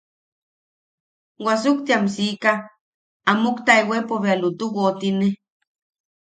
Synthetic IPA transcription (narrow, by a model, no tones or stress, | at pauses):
wasuk̚t̪iamsikaː | mukt̪aewepoβealut̪uwot̪ine